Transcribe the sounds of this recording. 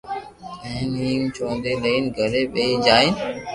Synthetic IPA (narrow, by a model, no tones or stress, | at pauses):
ɛ̃ːniːmt͡ʃʰõːnd̪eːləiːnɡʱəleːɓeiːd͡ʒaːin